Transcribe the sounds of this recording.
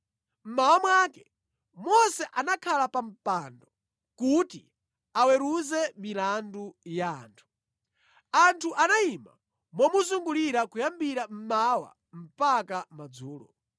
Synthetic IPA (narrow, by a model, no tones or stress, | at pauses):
m̩mawamwaːkɛ | mɔsɛʔanakʰalapam̩pandɔ | kuti | awɛɾuzɛmilandujaːntʰu̥ | antʰuʔanaima̰ | mɔmuzuŋɡuliɾakujambiɾam̩mawa̰ | m̩pakamad͡zuːlɔ̰